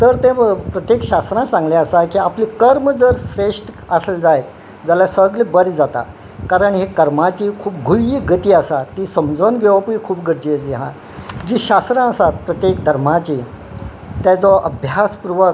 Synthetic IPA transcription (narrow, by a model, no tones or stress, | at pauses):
t̪əɾt̪ẽpɾət̪jekɕasɾãsãŋɡlaəsakiːapliːkəɾmd͡zəɾsɾeʂʈ | əsld͡zajt̪̚ | d͡zalasəɡlebəɾd͡zat̪a̰ | kaɾəɳɦikəɾmat͡ɕiːkʰuːp̚ɡʱujiːɡət̪iːasat̪ːisəmd͡zonɡʱeʋapuikʰuːpɡəɾd͡ʑiet͡siɦã̰ | d͡ʑiːɕast̪ɾãəsat̪pɾət̪jekd̪ʱəɾmat͡ɕi | t̪jat͡sɔʔəbʱjaspuɾʋə